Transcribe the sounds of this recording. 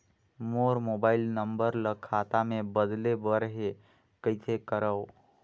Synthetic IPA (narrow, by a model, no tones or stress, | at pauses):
moɾmobailnəmbəɾləkʰːat̪amebəd̪lebəɾɦe | kəɪsʰekəɾəw